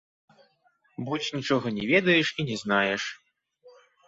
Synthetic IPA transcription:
but͡sʲnʲit͡ʂɔɣɐnʲɛvʲɛd̪ɐjɛʂinʲɛznajɛʂ

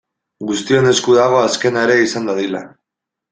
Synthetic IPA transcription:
ɡust̪io̞ne̞skuðaɣ̞o̞aske̞naeɾe̞isand̪aðila

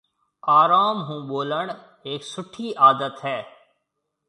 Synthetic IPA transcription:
aːɾaːmɦũːɓoːləɳ | eːksʊʈʰiːʔaːd̪ət̪ɦɛː

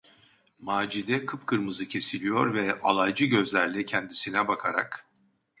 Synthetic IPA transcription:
maːd͡ʒid̪ɛkʰɯpkʰɯɾmɯzɯcʰe̞silʲijo̞ɾvɛa̰lˠajd͡ʒɯɟø̞zlʲæɾlʲɛcʰɛnd̪isinɛbakʰaɾa̰k

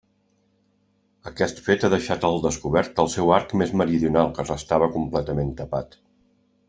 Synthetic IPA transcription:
əkɛst̪fet̪aðəʃat̪əlˠd̪əskuβɛɾt̪əlˠsɛwaɾkmezməɾiðiunalˠkərəst̪aβ̞əkumplɛt̪əment̪əpat̪

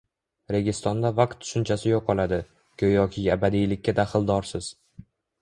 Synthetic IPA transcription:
ɾe̞ɡʲɪst̪ɒnd̪avaq̚t̪ʰːʊ̥ʃʊnt͡ʃʰasɪjoqʰːɒlˠad̪ɪ | kʲʰɵjɒkʲʰɪabad̪ijlɪkʲʰːad̪aχɨlˠd̪ɒɾsɪz̥

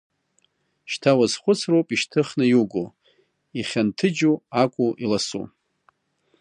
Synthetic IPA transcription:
ʃtʰawazχʷʊt͡sʰrowpʼiʃtʰɨχnɨjuɡo | iχʲantʰɨd͡ʒuakʷʼuʔilasṵ

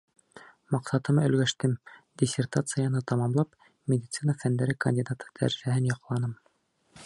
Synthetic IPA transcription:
mɑqsɑt̪ɤmɵ̆lɡæʃt̪ɘmd̪ʲɪsʲert̪at̪sɨjanɤt̪ɑmɑmlˠɑp | mʲedʲit̪sɨnəfænd̪æɾɘkɐ̰nʲdʲid̪at̪ɤ̥d̪æ̰ɾsæhɘnjɑqlˠɑnɤm

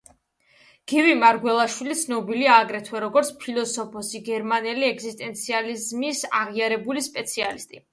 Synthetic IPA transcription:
ɡ̥ivimaɾɡwɛlˠaʃwilit̪sʰnɔbiliaːɡɾɛt̪ʰwɛɾɔɡɔɾt̪sʰpʰilˠɔsɔpʰɔsiɡɛɾmanɛliɛkzist̪ʼɛnt̪sʰializmisa̰ʁiaɾɛbulispʼɛt̪sʰialist̪ʼi

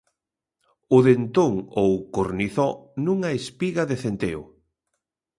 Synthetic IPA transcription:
ʊðent̪oŋowkoɾniθɔnuŋɐespiɣɐðeθent̪eʊ̰

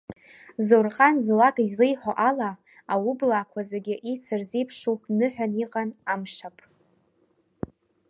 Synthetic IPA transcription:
zorqʼanzwakʼizlejħoʔala | awublakʷʰazaɡʲɪʔit͡sʰɨrzejpʰʂuwpʰʼnɨħʷᶣaniqʼanamʂapʼ

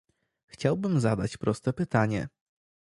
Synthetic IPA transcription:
xt͡ɕawbɘmzad̪at͡ɕpɾɔst̪ɛpɘt̪aɲɛ̰

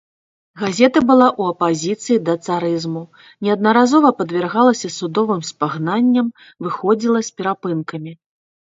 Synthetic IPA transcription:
ɣazʲɛt̪ɐbɨlˠaʔuɐpazʲit̪sɨjid̪ɐt̪saɾɨzmu | nʲɛɐd̪̚nɐɾazɔvɐpɐd̪vʲɛrɣalˠɐsʲɐsud̪ɔvɨmspaɣnanʲːɐm | vɨxɔd͡zʲilˠɐsʲpʲɛɾapɨnkɐmʲi

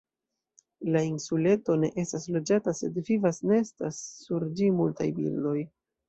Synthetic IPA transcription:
lainsule̞to̞ne̞ʔe̞staslo̞d͡ʒatase̞dvivasneestasːuɾd͡ʒimulta̰jbḭldo̞j

